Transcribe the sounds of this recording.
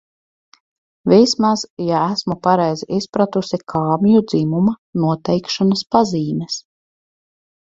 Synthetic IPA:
vismazjaæsmupaɾɛjziʔispɾat̪usikʰaːmʲijud̪zimumanuɔt̪ɛjkʃanaspaziːmʲɛs

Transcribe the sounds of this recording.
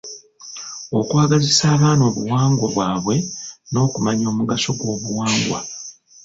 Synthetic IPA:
o̞kwaːɡazisaːβaːno̞ːβuwaːŋɡwoβwaːβwe̞no̞ːkumaɲo̞ːmuɡaso̞ɡwo̞ːβuwaːŋɡwa̰

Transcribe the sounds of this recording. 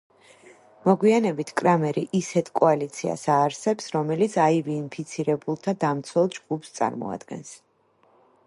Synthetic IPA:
mɔɡwianɛbit̪ʰkʼɾamɛɾiʔisɛt̪ʰkʼɔalit̪sʰia̰saːɾsɛpsɾɔmɛlit̪sʰaiviːnpʰit̪sʰiɾɛbulˠt̪ʰad̪amt̪sʰwɛlˠd͡ʒɡupst̪sʼa̰ɾmɔ̰a̰d̪̥ɡɛ̰ns

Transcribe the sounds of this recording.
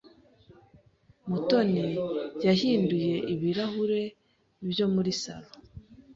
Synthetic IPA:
muto̞nijahiːnduje̞ʔiβiɾahuɾe̞ | nibjo̞muɾisa̰βa

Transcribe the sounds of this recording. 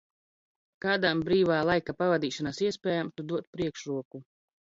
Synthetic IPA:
kaːd̪ambɾiːvaːlˠajkapavad̪iːʃɔnasiɛspʲɛːjamt̪ud̪uɔt̪̚pɾiɛkʃɾuɔku

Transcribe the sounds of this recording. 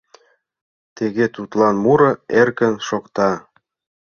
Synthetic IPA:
t̪eɣet̪ut̪lɑnmuɾɤ̆erkə̆nʃokt̪ɑ

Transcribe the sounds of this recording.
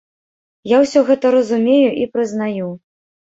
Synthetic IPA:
jawsʲɔɣɛt̪ɐɾɐzumʲejuʔipɾɨznaju

